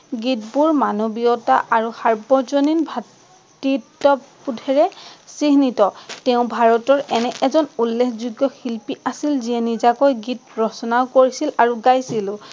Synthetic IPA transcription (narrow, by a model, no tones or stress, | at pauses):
ɡitbuɹmanobiɔtaʔaɹuxaɹbɔzoninbʱa | titːɔpudʱɛɹɛsiɦnitɔtɛʊ̃bʱaɹɔtɔɹɛnɛʔɛzɔnulːekʰzuɡjɔxilpiʔasilziɛnizakojɡitɹɔsɔnaʊkoɹisilaɹuɡajsilʊ̃